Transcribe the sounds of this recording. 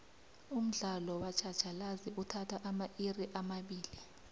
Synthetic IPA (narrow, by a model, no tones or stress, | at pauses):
um̩ɮalɔwat͡ʃʰḁt͡ʃʰalaziutʰatʰwaʔamaʔiriʔamaɓiːli